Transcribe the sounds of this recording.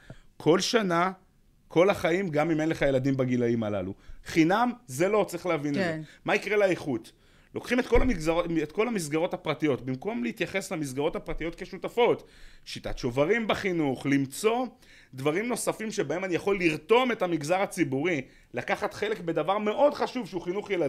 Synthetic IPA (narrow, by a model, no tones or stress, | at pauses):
kʰo̞lʃana | kʰo̞laχaimɡamimenle̞χaje̞ladimbaɡilaimala̰luχinamze̞lo̞t͡sʁiχleavinezemaikʁelaeχut̪ | lo̞kχimetko̞laizaetko̞lamis̬ɡaʁo̞thapʁatijo̞tbimko̞mleit̪jaχe̞slamis̬ɡaʁo̞thapʁatijo̞t̪keʃutafo̞tʃita̰tʃo̞vaʁimbaχinuχlimt͡so̞ | d̪vaʁimno̞safimʃebae̞manijaχo̞lːiʁto̞me̞thamiɡzaʁat͡sibuʁi | lakaχat̪χe̞le̞kbe̞davaʁme̞ʔo̞dχaʃuvʃeuχinuχjela